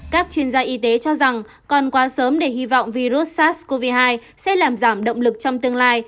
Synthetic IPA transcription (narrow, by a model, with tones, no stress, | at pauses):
kaː˦˥k̚t͡ɕwi˧ənzaː˧ʔi˨˦t̪e˨˦t͡ɕɔ˧za˨˩ŋ | kɔ˨˩nkwaː˨˦səː˨˦mɗe˧˩hi˧vɔ̰˧˨wŋ͡mvi˧zu˦˥t̚saː˦˥t̚ko˧vi˧ɦaː˧j | sɛ̰˧˥laː˨˩mzaː˧˩mɗə̰˧˨wŋ͡mlɨ˨˩k̚t͡ɕɔ˧wŋ͡mt̪ɨ˧əŋlaː˧j